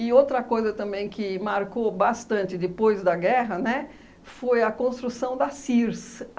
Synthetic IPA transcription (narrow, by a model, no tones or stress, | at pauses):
ɪowt̪ɾɐkojzɐt̪ɐ̃mbẽj̃kɪmaɾkobast̪ɐ̃nt͡ʃɪd̪ɪpojzd̪ɐɡɛɦɐnɛ | fojɐkõst̪ɾusɐ̃w̃d̪ɐsiɾs